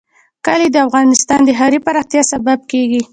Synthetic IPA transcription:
kəled̪əafɣɑnɪst̪ɑnd̪əɦɑɾipaɾɑxt̪jɑsabab̚keɡi

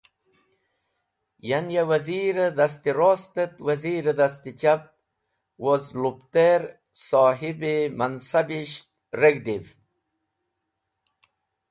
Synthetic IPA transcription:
janjawaziːɾed̪as̬t̪iɾost̪ət̪waziːɾed̪as̬t̪it͡ɕab̚ | wozlupt̪eɾ | soːɦibimansabiɕt̪̚ | ɾeɡd̪iv

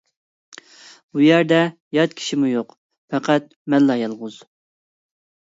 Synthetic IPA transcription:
b̥ujæɾd̪ɛ | jɑt̪̚kʲʰi̥ʃimujoq | fʰɛqæt̪̚ | mɛlːɑjɑlˠʁʊz̥

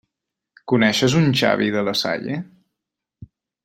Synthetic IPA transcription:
kunɛʃəzunt͡ʃa̰βiðələsa̰ʎe

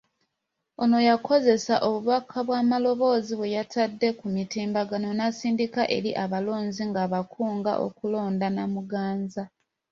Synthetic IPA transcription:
o̞no̞jakʰo̞ze̞saʔo̞βuβakʰːaβwaːmalo̞βo̞ːziβwe̞jatʰadːe̞kumitiːmbaɡano̞nasiːndikaʔe̞̰ɾiʔaβalo̞ːnziŋɡaːβakʰuːŋɡa̰ʔo̞̰kulo̞ːndanamuɡaːnza

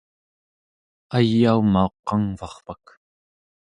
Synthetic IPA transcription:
ajːaumao̞qːɑŋvɑχpak

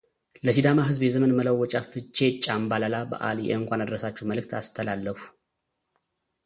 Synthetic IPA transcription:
ləsid̪amaɦɨzbjɛzəmənməlawːɔt͡ʃʼafɨt͡ʃːe̞t͡ʃʼambalalabə̰ʔa̰ljɛ̰ʔɨŋkʷanad̪əɾəsat͡ʃːuməlɨk̚t̪ʰa̰st̪ʰəlalːəfu̥

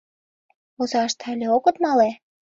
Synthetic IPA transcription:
ozɑʃt̪ʰɑlʲeokə̆t̪mɑle

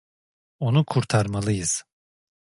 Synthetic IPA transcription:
o̞nukʰuɾt̪ʰaɾmalˠɯjɯz̥

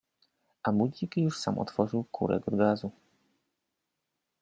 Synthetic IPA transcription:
amud͡ʑikjuʂsa̰mʔɔ̰t̪fɔʐɘwkʰṵɾʔɛ̰ɡɔɾɡazu

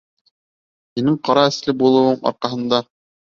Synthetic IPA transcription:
hinɘɴqɑɾɑɘ̆slɘbulˠɤ̆wɤɴɑ̰ɾqɑɦɤ̆nd̪ɑ

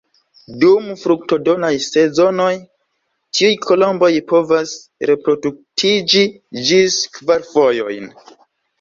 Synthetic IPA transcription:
dumfɾuk̚to̞do̞najse̞zo̞no̞j | tʰiujkʰo̞lo̞mbo̞jpo̞vas | ɾe̞pɾo̞duk̚tʰid͡ʒi | d͡ʒiskvaɾfo̞jo̞̰jn

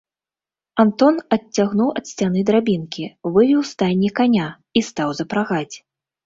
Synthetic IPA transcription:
ant̪ɔnɐtʲt͡sʲːaɣnuwʔɐt̪sʲt͡sʲan̪ɨd̪ɾabʲinkʲivɨvʲiwst̪anʲːikanʲa | ist̪awzɐpɾaɣat͡sʲ

